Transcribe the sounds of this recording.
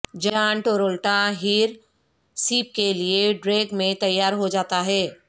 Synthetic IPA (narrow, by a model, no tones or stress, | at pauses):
d͡ʒaːɳʈoːɾoːlʈaɦiːɾ | siːp̚kelieɖɾeːɡmẽt̪ɐjːaːɾɦod͡ʒaːt̪aɦɛː